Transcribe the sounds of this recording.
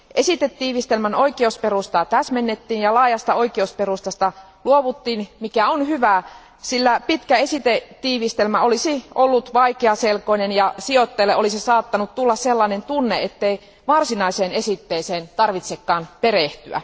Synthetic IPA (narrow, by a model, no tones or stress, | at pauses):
ʔesit̪et̪ːiːʋist̪elmænoikˑeusperust̪ɑt̪æsmenːet̪ːiːnjɑlɑːjɑst̪ɑoikeusperust̪ɑst̪ɑ | luoʋut̪ːiːnmikæonhyʋæˑ | silːæpit̪kæesit̪ett̪ːiːʋist̪elmæolisiʔolːut̪ʋɑikeɑselkoinenjɑsiot̪ːelːeolisisɑːt̪ːɑnut̪t̪ulːɑsselːɑinent̪unːeet̪ːei | ʋɑrsinɑiseːnesit̪ːeːseːnt̪ɑrʋit̪sekːɑːnpereht̪yæ̰